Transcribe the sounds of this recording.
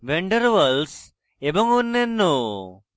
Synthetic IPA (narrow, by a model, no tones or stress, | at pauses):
ʋeɳɖəɾʋɐls | ebɔŋunːenːo